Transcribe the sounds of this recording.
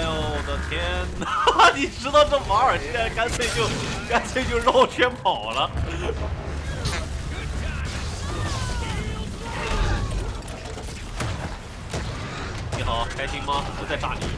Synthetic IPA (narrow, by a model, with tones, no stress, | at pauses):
d̪ə˨˩t̪ʰjɛ˥nni˨˩ʈ͡ʂɻ̩˥t̪ɑ˧ʊʈ͡ʂə˥˩fa˧˥ə˞˨˩ɕɛ˥a˥ka˥nt͡sʰwe˥˩ɪt͡ɕjo˥˧ʊka˥nsʰe˥˩t͡ɕjo˥˧ʊlɑ˥˧˩t͡ɕʰɥjɛ˥npʰɑ˨˩ʊlə˦˧˥ | a˥˩˧ | ni˧˥xɑ˨˩ʊkʰa˥ɪɕi˥ŋmɐ˧˩jo˥˩t͡sa˥˩ɪʈ͡ʂa̰˧˩nḭ˨˩